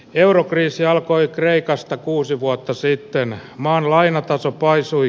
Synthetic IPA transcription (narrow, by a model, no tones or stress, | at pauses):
eurokriːsiɑlkoikreikɑst̪ɑkuːsiʋuot̪ːɑsit̪ːenmɑːnlɑinɑt̪ɑsopɑisui